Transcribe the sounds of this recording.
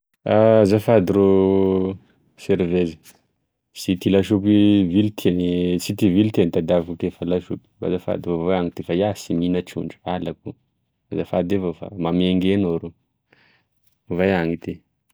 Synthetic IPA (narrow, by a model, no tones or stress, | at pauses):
azafad̪iɾo | seɾvezi̥ | sit̪ilaʃupivilit̪ʰenit͡sit̪ivilt̪enit̪ad̪avakukefalaʃupi̥ba̰zafa̰d̪ivovvaaŋit̪efajasiminaʈ͡ʂṵɳɖ͡ʐualakṵ | azafad̪evofa̰mameŋɡenoɾo | vajaŋit̪i